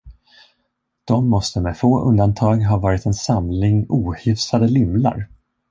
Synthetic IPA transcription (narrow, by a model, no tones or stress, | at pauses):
d̪̥ɔmːɔst̪əmɛfoːʔɵ̰nd̪ant̪ʰɑːɡɦɑːvɑːɾɪt̪ɛnsamlɪŋuːhʏfsad̪əlʏmla̰ɾ